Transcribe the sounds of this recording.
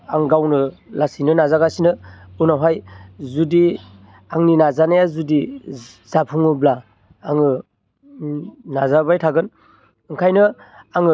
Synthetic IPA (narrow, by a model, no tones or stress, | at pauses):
aŋɡawnɯlasinɯnazaɡasinɯunawɦajzudi | aŋninazanajazudi | zapʰuŋɯblaː | ŋɯ | nazabajtʰaɡɯn | ɯŋkʰajnɯ | aŋɯ